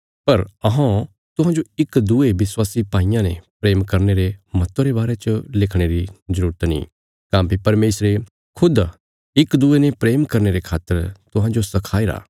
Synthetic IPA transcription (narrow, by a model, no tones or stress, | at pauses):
pɐɾɐɦã | t̪ʊɦãːd͡ʒoɪkd̪ʊeʋɪswaːsipaːɪjãnḛ̃pɾeːmkɐɾneɾemɐt̪oɾebaːɾet͡ʃəlɪkʰɽ̃eɾizɐɾuːɾət̪nḭ̃ː | kãːpipɐɾmeːsɾe | kʰʊd̪ | ɪkd̪ʊenepɾeːmkɐɾneɾekʰaːt̪ːəɾt̪ʊɦãːd͡ʒosɐkʰaːeɾa̰ː